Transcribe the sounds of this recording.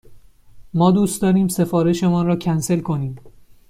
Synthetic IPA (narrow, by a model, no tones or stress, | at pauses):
mɒːd̪uːst̪d̪ɒːɾiːmse̞fɒːɾe̞ʃe̞mɒːnrɒːcʰænse̞lkʰo̞niːm